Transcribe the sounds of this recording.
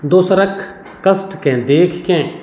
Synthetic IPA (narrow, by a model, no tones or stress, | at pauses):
d̪oːsɾɐkʰː | kɐsʈkẽːd̪eːkʰkɛ̃ː